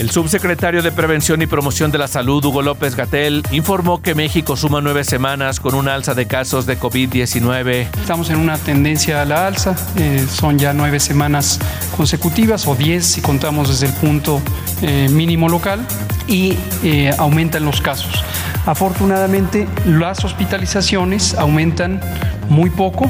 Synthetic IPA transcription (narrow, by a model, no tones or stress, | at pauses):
e̞lsuβse̞kɾe̞t̪aɾjo̞ðe̞pɾe̞β̞e̞nsjo̞nipɾo̞mo̞sjo̞nd̪e̞lasaluðuɣo̞lo̞pe̞zɣat̪eliɱfo̞ɾmo̞ke̞me̞xiko̞sumanwe̞βe̞se̞mãnasko̞nunaalsaðe̞kaso̞zðe̞ko̞βiðːje̞sinwe̞β̞e̞est̪amo̞senunat̪e̞nd̪e̞nsjaːlaalsa | eso̞nʝanwe̞βe̞semãnas | ko̞nse̞kut̪iβaso̞ðje̞sːiko̞nt̪amo̞zðe̞zðelpunt̪o̞ | emĩnĩmo̞lo̞kal | i | awmẽ̞nt̪anlo̞skaso̞̥s | afo̞ɾt̪unaðamẽnt̪e̞laso̞spit̪alisasjo̞ne̞sawmẽ̞nt̪an | mujpo̞ko̞